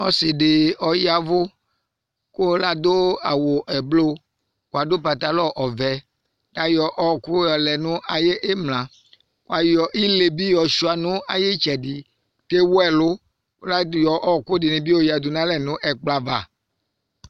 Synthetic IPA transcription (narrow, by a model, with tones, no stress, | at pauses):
ɔ˦sɪ˨ɖe˨ɔ˨ja˨vʊ˦ | ko˦la˦d̪o˦a˨wo˨ʔɛ˨blo˦ | kwa˨do˦pa˨t̪a˨lɔ˦ʔɔ˨vɛ˨˦ | la˦jɔ˨ʔɔ˦˨kʊ˦jɔ˨lɛ˨nũ˦ʔa˨je˦ʔe˦mlã˨ | kwa˨jɔ˨ʔi˦le˨bi˦jɔ˨ʃu˦a˨nũ˦a˨je˦t͡ʃɛ˨ɖi˨ | te˦wo˦ɛ˦˨lʊ˦ | o˦la˦jɔ˨ʔɔ˦˨kʊ˦dɪ˨nẽ˨bi˦o˦ja˨d̪u˨nã˦lɛ˨nũ˦ʔɛ˨k͡pla˨va˨